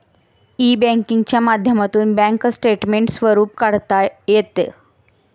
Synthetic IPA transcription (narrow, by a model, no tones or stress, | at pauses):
ibɛ̃ŋkiŋɡt͡ɕjamad̪ʱjəmat̪uːnbɛ̃ŋksʈeʈmeɳʈsʋəɾuːpkaɽt̪ajet̪ḛ